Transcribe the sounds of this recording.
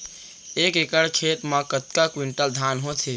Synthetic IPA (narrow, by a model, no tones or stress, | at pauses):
eːkekəɽkʰet̪mãkət̪kakwiɳʈəld̪ʱanɦõt͡ʃʰe